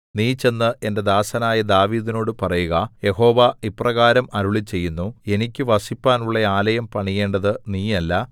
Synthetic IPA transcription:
niːt͡ɕe̞nːɨʔe̞nde̞d̪aːsɐnaːjɐd̪aːʋiːðino̞ːɽɨpɐrɐjuɣɐje̞ho̞ːʋaiprɐɣaːɾɐmɐɾuɭit͡ɕːe̞jːunːue̞nikʲːɨʋɐsipːaːnuɭːeaːlɐjɐmpɐɳije̞ːɳɖɐðɨniːɐlːɐ

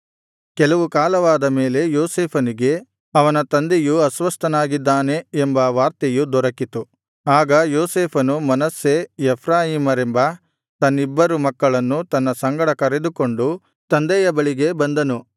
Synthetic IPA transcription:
kɛlɐʋukaːlɐʋaːd̪ɐme̞ːle̞joːseːpʰɐniɡe̞ | ɐʋɐnɐt̪ɐnd̪ejuɐsʋɐst̪ʰɐnaːɡid̪ːaːne̞ːmbɐʋaːɾt̪ejud̪ɔɾɐkit̪u | aːɡɐjoːseːpʰɐnumɐnɐsːeɛpʰɾaːjiːmɐɾembɐ | t̪ɐnːibːɐɾumɐkːɐɭɐnːut̪ɐnːɐsɐŋɡɐɽɐkɐɾe̞d̪uko̞ɳɖu | t̪ɐnd̪ɛjɐbɐɭiɡe̞bɐnd̪ɐnu

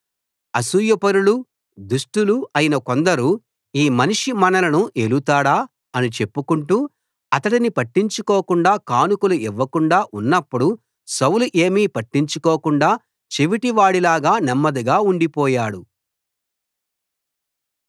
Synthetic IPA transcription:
ɐsujɐpɐɾulu | d̪uʂʈuluɐjinɐko̞nd̪ɐɾu | iːmɐniʂimɐnɐlɐnuʔelut̪aːɽaː | ɐnit͡ʃepːukuɳʈuː | ɐt̪ɐɽinipɐʈːiɲt͡ʃukoːkuɳɖaːkaːnukuluiʋːɐkuɳɖaːʔunːɐpːuɽu | sɐwluʔe̞ːmiːpɐʈːiɲt͡ʃukoːkuɳɖaː | t͡ʃeʋiʈiʋaːɽilaːɡaːnɛmːɐd̪iɡaːuɳɖipɔːjaːɽu

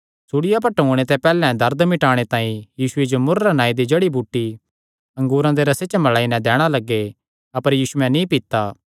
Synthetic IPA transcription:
suɽɪjap̬ɐʈũːɽ̃et̪ɛpɛːlɛ̃d̪ɐɾd̪mɪʈaːɽ̃et̪ãːĩjiːsʊed͡ʒomʊɾːanaːid̪id͡ʒeːɽibʱuːʈːi | ɐ̃ŋɡuːɾãd̪eɾɐset͡ʃmɐlaːinɛ̃d̪ɛːɽ̃alɐɡːe | ɐpəɾjiːsʊɛ̃nĩpɪt̪aː

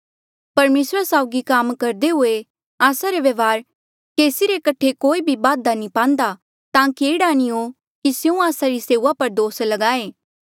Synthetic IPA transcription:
pɐɾmeːsɾasaːʊɡikaːmkɐɾd̪eɦʊe | aːsaɾeʋɐʋaːɾ | keːsiɾekɐʈʰekoːibʱibaːd̪anĩpãːnd̪a | t̪ãːkiɪɽaːñio | kisjũaːsaɾiseːuːapɐɾd̪oːslɐɡaːeː

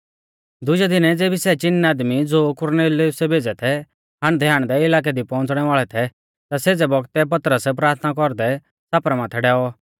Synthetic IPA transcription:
d̪ʊd͡ʒɛd̪ɪnɛd͡zeːbisɛt͡ʃɪnːɛaːd̪mid͡zoːkʊɾneːliʊsɛbʱeːd͡zɛt̪ʰɛ | ɦaɽ̃d̪ʱjaːɽ̃d̪ɛɪlaːk̬ɛd̪ipɔ̃ːnt͡sɽ̃ɛʋaːɭɛt̪ʰɛ | t̪aseːd͡zɛbɔɡt̪ɛpɐt̪ɾəsp̬ɾaːɾt̪ʰnak̬ɔɾd̪ɛ | saːpɾamãːt̪ʰɛɖɛːɔ

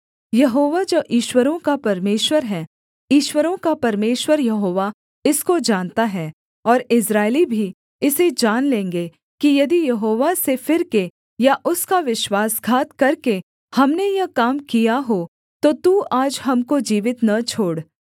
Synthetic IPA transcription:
jɐɦoːʋad͡ʒoːʔiːʃwəɾõkapɐɾmeːʃwəɾɦɛː | iːʃwəɾõkapɐɾmeːʃwəɾjɐɦoːʋa | ɪskod͡ʒaːnt̪aɦɛː | ɔːɾɪs̬ɾaːɪlibʱi | ɪsed͡ʒaːnlẽːŋɡe | kijɐd̪ijɐɦoːʋasefɪɾke | jaʔʊskaʋɪʃwaːsɡʱaːt̪kɐɾke | hɐmnejɐkaːmkijaɦo | t̪ot̪uaːd͡ʒɦɐmkod͡ʒiːʋɪt̪nɐt͡ʃʰoːɽ

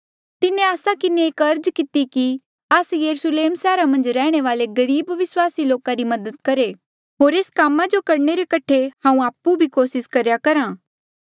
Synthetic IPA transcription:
t̪ɪnẽaːsakɪneeːkɐɾd͡ʒkɪt̪iki | ɐsjɐɾusleːmsɛːɾamɐ̃nd͡ʒɾɛːɽ̃eʋaːleɡɐɾiːbʋɪswaːsiloːkaɾimɐd̪əd̪̚kɐɾe | ɦoːɾeːskaːmːad͡ʒokɐɾɳ̃eɾekɐʈʰeɦãːũaːpːubʱikoːsɪskɐɾjakɐɾãː

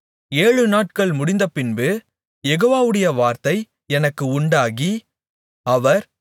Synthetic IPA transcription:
eːɻɯnaːʈkɐɭmʊɽɪnd̪ɐpɪnbɯ | jɛɣoːʋaːʋɯɽɐjɐʋaːɾt̪ɐɪ | ɛnɐkːɯʊɳɖaːɣi | ɐʋɐɾ

